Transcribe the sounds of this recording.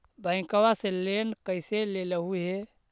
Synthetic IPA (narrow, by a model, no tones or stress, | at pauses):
bəɪ̃kəwaselenkəjseleləɦuɦe